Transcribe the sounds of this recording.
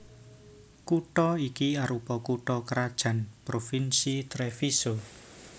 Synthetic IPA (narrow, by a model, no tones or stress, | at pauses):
kuʈɔikiaɾupɔkuʈɔkəɾad̥ʒ̥ä̤npɾofinsit̪ɾefiso